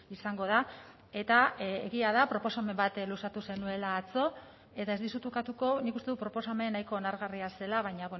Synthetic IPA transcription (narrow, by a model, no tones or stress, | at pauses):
isaŋɡo̞ð̞a | e̞t̪aḛɣiaðapɾo̞po̞same̞mbat̪lusat̪use̞nue̞laːt͡so̞ | e̞t̪aezðisut̪ukat̪uko̞nikust̪eutpɾo̞po̞same̞najko̞ːnaɾɣariase̞laβ̞aɲaβe